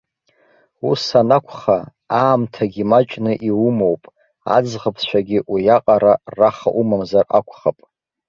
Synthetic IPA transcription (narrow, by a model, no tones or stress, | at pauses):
usanakʷʰχa | aːmtʰaɡʲimat͡ʃʼnɨʔiwumowpʼ | a̰d͡zʁəpʰʃʷaɡʲiʔujaqʼaɾaraχaʔumamzarakʷʰχapʼ